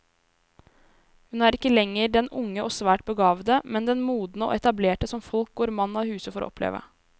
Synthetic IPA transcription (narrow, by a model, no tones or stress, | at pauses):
hʉnæːɾɪkːəlɛŋːəɾɖɛnʊŋːəʔɔsʋæːʈ̚bəɡɑːʋd̪əmɛnd̪ɛnmuːd̪nəo̰ːɛt̪ɑbleːʈəsɔmfɔlk̚ɡoːɾmɑnːɑhʉːsəfɔɾɔ̰ɔ̰pʰlḛːʋə̰